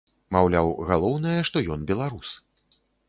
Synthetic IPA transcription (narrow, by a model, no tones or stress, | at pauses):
mawlʲawɣalˠɔwnɐjɐʂt̪ɔjɔnbʲɛlˠaɾus